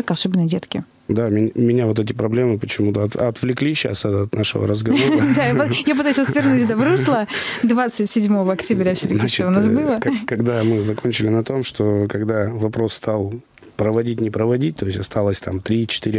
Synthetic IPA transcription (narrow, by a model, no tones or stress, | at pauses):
kɐsobʲɪnːədʲet̪kʲɪ | d̪amʲɪnʲʊmʲɪnʲavo̞t̪̬ɛtʲɪpɾɐblʲe̞mɨpət͡ɕɪmut̪əɐt̪ɐt̪vlʲɪklʲiɕːa̰sət̪ɐt̪naʂɨ̰və̰ɾəzɡɐvoəd̪aɐjap̬ɨt̪ajʉsʲvəsvʲɪrnutʲd̪ɐvɾuslˠəd̪vat̪sɨtʲsʲɪdʲmo̞vəɐktʲɪbɾʲafsʲɪt̪ənʲʂoʊnas̬bɨlˠəkɐɡd̪amɨzɐkonʲt͡ɕɪlʲɪnɐt̪o̞mʂt̪okɐɡd̪avɐpɾo̞sst̪alˠ | pɾəvɐdʲitʲnʲɪpɾəvɐdʲit̚ʲt̪o̞jɪsʲɐst̪alˠəsʲt̪amt̪ɾʲit͡ɕɪ̥t̪iɾʲɪ